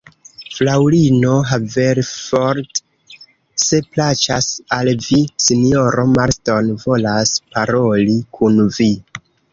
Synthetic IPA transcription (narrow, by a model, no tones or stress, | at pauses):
flawɾino̞ɦaveɾfoɾt | se̞plat͡ʃasalvisino̞ɾo̞maɾsto̞nvo̞laspaɾo̞likʰunvi